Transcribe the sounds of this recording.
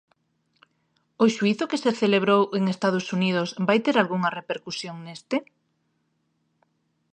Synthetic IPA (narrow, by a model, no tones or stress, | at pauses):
ʊʃuiθʊkeseθeleβɾoweŋest̪aðʊsunið̞ʊsbajt̪eɾalɣuŋɐrepeɾkusjoŋnest̪ɪ